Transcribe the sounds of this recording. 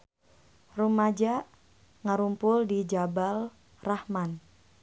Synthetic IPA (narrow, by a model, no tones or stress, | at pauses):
rumad͡ʒaʔ | ŋaɾumpʊldid͡ʒabal | rahman